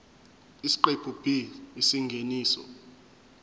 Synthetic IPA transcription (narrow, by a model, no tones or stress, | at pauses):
isi̥ǃeb̥ʱub̥ʱiisiŋɡʱeniːsɔ̰